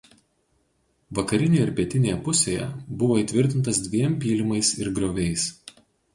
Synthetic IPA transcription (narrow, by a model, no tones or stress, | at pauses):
ʋɐkɐɾʲɪnʲeːjɪɾpʲiɛt̪ʲɪnʲeːjɛpʊsʲeːjɛ̰bʊʋoːiːˑt̪ʲʋʲɪɾʲt̪ʲɪnt̪ɐsd̪ʲʋʲiɛmʲpʲiːlʲɪmɐɪsɪɾɡɾoːʋʲɛɪs